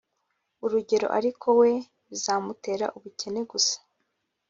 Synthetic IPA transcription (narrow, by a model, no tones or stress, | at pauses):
uɾuɟe̞ɾo̞̰ʔa̰ɾikʰo̞we̞ | ɾuzaːmute̞ɾa̰ʔuβuce̞ne̞ɡusḁ